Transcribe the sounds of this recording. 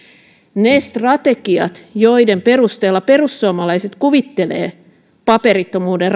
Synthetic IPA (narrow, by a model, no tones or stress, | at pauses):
nest̪rɑt̪eɡiɑ̰t̪joide̞mpe̞rust̪eːlːɑpe̞rusːuɑmɑlɑjset̪kuʋit̪ːe̞lḛː | pɑpeɾit̪ːo̞muːder